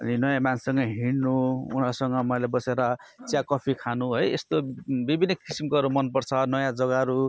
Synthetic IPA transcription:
ʌ̰ninʌjãmansʌŋɡʌɦiɽnuṵn̤asʌŋɡʌmʌjlebʌseɾʌt͡sjakʌpʰikʰanuɦʌjḛst̪obibʱinːʌkisimkoʌɾumʌnpʌrt͡sʰʌnʌjãd͡zʌɡaʌɾu

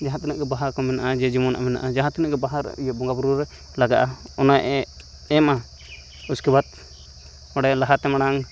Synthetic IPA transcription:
d͡ʒaɦãt̪ɛnəʔɡɛbaɦaɾkɔmɛnaʔad͡ʒɛd͡ʒimɔnaʔamɛna̰ʔad͡ʒaɦãt̪ɛnəʔɡɛbaɦaɾ̰ijɔbɔŋɡabuɾuɾɛ | laɡaʔaɔnajʔɛ | ɛma | uskibat̪̚ | ɔɽɛlaɦat̪ɛmaɽaŋ

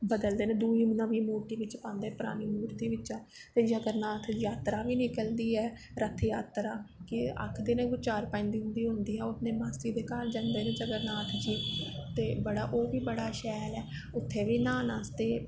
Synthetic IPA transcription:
bəd̪əld̪eːnẽːd̪uːiːmnãːʋiːmoːʈiːʋɪt͡ʃpãːnd̪eːpʊɾa̰ːniːmuːɾt̪iːʋɪt͡ʃaː | t̪eːd͡ʒəɡəɾnaːt̪ʰjaːt̪ɾaːʋiːnɪkəld̪iːɛː | ɾət̪ʰjaːt̪ɾaːkɪə̰kʰd̪eːnẽːɡʊt͡ʃaːɾpãːɪ̃nd̪iːɦʊ̃nd̪iːɦʊ̃nd̪iːɦɛːoəpneːmaːsiːd̪eːkaːld͡ʒand̪eːnẽːd͡ʒəɡəɾnaːt̪ʰd͡ʒiːt̪eːbəɽa̰ːʔoːʋiːbəɽaːʃɛːlɛː | ʊt̪ʰːeːʋiːnaːnaːst̪eː

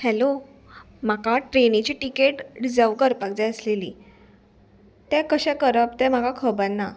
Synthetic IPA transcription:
hɛlo | makaʈɾenit͡ɕiːʈikeʈɖid͡zəɾʋkəɾpaɡd͡ʑajəslelḭː | t̪ɛ̃kəɕɛ̃kəɾəp̚t̪ɛ̃m̤akakʰəbənːa

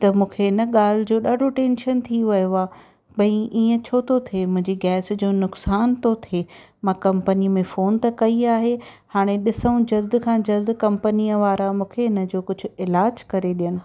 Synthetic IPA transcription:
t̪ɐmũːkʰeɪnə̆ɠaːl̤ɪd͡ʑoːɗaːɖʱoʈẽːnʃənt̪ʰiʋɐjoaː | bɐ̃ĩʔiːə̃t͡ɕʰoːt̪ʰot̪ʰemʊ̃ɦɪ̃ɲd͡ʑiɡɛːsd͡ʑoːnʊksaːnt̪ʰot̪ʰe | mãkɐ̃mpənimẽfoːnt̪ɐkɐiaːɦe | haːɽ̃eɗɪsəũd͡ʑɐzd̪kʰãːd͡ʑɐzd̪kɐ̃mpəniːəʋaːɾamũːkʰeɪnə̆d͡ʑoːkʊd͡ʑʱʊ̆ɪlaːd͡ʑkɐɾeɗijəñɪ̆

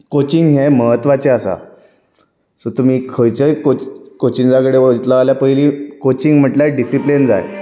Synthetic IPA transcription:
kot͡ɕiŋɡɦeməɦət̪ʋat͡ɕeəsa̰ | sot̪um̤iːkʰəjt͡ɕəkokot͡ɕind͡zaɡɽeʋəd͡ʑt̪laːljapəɦilikot͡ɕiŋɡm̤əʈlaɖisiplind͡za̰j

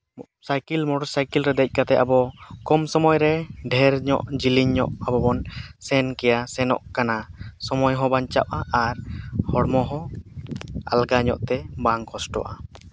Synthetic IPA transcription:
sajkilmɔɖɔɾsajkilɾɛd̪ɛc̚ˀkat̪ɛabɔkɔmsɔmɔjɾɛɖʱɛɾɲɔ̰ʔd͡ʒiliɲːɔ̰ʔabɔbɔnsɛnkɛjasɛnɔ̰ʔkanasɔmɔjɦɔ̃baɲt͡ʃa̰ʔʔaʔaɾhɔɽmɔɦɔ̃ | a̰lɡaɲɔ̰ʔt̪ɛbaŋkʰɔsʈɔ̰ʔa

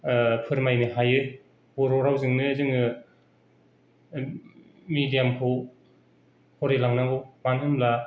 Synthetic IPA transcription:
pʰɯɾmajnɯɦajɯ | boɾɔɾawzɯŋnɯzɯŋɯ | midijampʰɯw | hʰɔɾelaŋnaɡɯmanhɯmla

